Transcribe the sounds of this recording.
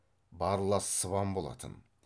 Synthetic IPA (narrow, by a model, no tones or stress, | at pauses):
bɑɾlˠɑssəβɑmbo̞lˠɑ̰t̪ʰə̰n